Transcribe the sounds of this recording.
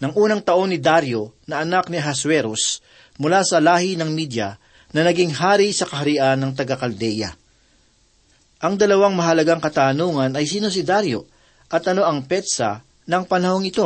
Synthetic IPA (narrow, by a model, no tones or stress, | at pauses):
nɐŋʔuːnɐŋt̪ɐʔo̞nːɪd̪aɾjo̞nɐʔɐnakniɦɐswɛɾos | mʊlasɐlaːhinɐŋmid̪jɐ | nɐnɐɡiŋɦaːɾisɐkɐɦɐɾiʔanːɐŋt̪ɐɡakɐld̪ɛjɐ̰ | ʔɐŋd̪ɐlɐwaŋmɐɦɐlɐɡaŋkɐt̪aːnuːŋɐnɐjsiːno̞s̬ɪd̪aɾjo̞̰ | ʔɐt̪ɐno̞ʔɐŋpɛt̪sɐ̰ | nɐŋpɐnɐho̞ŋɪt̪o̞